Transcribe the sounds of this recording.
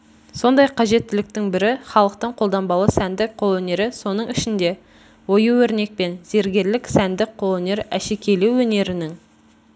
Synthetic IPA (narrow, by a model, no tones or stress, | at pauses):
so̞nd̪ɑjqʰɑʒe̞t̪ːɪlɪk̚t̪ɪŋbɪɾɪχɑlˠəq̚t̪əɴqʰo̞lˠd̪ɑmbɑlˠəsænd̪ɪkqʰolˠɵne̞ɾɪso̞nəɴɪʃɪnd̪e̞ | wo̞juwɵɾne̞k̚pe̞nze̞ɾɡʲe̞ɾlɪksænd̪ɪkqʰolˠɵne̞ɾæʃekʲʰe̞luwɵne̞ɾɪnɪŋ